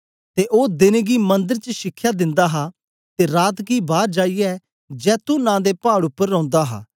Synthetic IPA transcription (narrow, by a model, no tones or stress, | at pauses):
t̪eʔoːd̪ɪnɡimɐ̃nd̪əɾt͡ʃəʃɪkʰːjad̪ɪ̃nd̪aːɦa | t̪eːɾaːt̪ɡibaːɾd͡ʒaːiɛ | d͡ʒɛːt̪unãːd̪epaːɽʊpːəɾːɔ̃ːʊ̃nd̪aɦa̰ː